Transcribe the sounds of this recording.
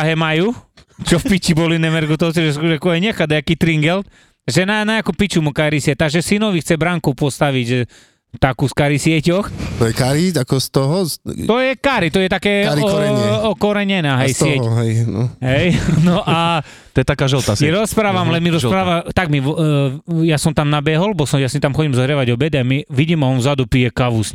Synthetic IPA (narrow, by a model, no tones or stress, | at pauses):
aɦɛmajut͡ʃɔfpit͡ʃibɔlinɛmɛɾɡut̪ɔwsiʒɛsuʒakɔajɲɛxad̪ajakiːt̪ɾiŋɡɛlt̪ | ʒɛnanaɲakupit͡ʃumukaɾisɪɛt̪ːaɡʒɛsinɔʋixt͡sɛbɾaŋkɔpɔst̪aʋiɟʒɛ | t̪akuːskaɾisɪɛcɔxt̪ɔjɛkaɾiakɔst̪ɔɦɔt̪ɔjɛkaɾit̪ɔjɛt̪akɛːɾɔɛɔkɔɾɛɲɛnaɦɛjsɪɛɦɛjnɔɦɛjnɔʔa | t̪ɔjɛt̪akaːʒɔlt̪asiɾɔspɾaːʋamlɛmiɾɔɾaːʋat̪aɡmiʋ | jasɔmt̪amnabɛɦɔlbɔsɔmjasit̪amxɔɟimzɔɦɾɛʋaɟɔbɛd̪amiʋiɟimaɔnvzad̪upijɛkaʋus